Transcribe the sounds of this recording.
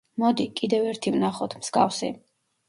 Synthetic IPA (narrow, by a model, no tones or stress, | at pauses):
mɔd̪ikʼid̪ɛvɛɾt̪ʰivnaχɔt̪ʰmz̥ɡafsḭ